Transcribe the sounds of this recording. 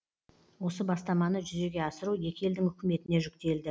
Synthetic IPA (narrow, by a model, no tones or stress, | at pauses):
wo̞səbɑst̪ɑmɑnəʒʏze̞ɡʲe̞ɑsəɾuje̞kʲe̞ld̪ɪŋʏkʲɪme̞t̪ɪne̞ʒʏkt̪e̞ld̪ɪ